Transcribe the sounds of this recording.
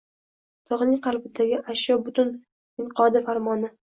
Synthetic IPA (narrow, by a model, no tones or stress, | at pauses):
t̪ʰɒʁnɪŋqʰɑlˠbɪd̪aɡʲɪʔaʃjɒbʊt̪ʊn | ɪɴqʰɒd̪ɪfaɾmɒnɪ